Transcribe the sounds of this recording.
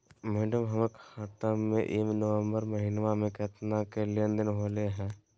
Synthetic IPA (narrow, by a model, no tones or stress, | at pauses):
mɛːɖəmɦəmekʰaːt̪amḛ̃ʔimnəʋə̃mbəɾməɦɪnʋamẽkɛːt̪nakeliə̃nd̪ɪnɦoːleɦɛ̃ː